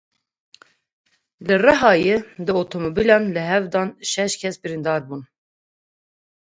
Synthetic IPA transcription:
lɨrɛɦɑːjed̪ɨot̪ʰomobilɑːnlɨɦɛvd̪ɑːnʃɛʃkʲʰɛsbɨɾind̪ɑːɾbun

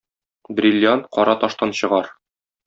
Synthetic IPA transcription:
bɾʲilʲːjanqɒɾʔɑt̪ɒʃt̪ɑnɕɤ̆ʁɑɾ

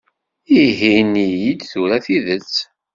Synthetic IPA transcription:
iɦinijid̪θuɾæθiðət͡sː

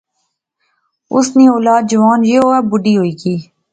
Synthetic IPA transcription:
ʊ̰sneːoːlaːd̪̚d͡ʒəʋaːnjeːɦoːaːbʊɖiːɦoiːkiː

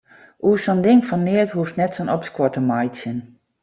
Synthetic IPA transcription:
ʔuəsɔndɪŋfɔnːɪətɦuftnɛtsonɔpskɔtəmajtsən

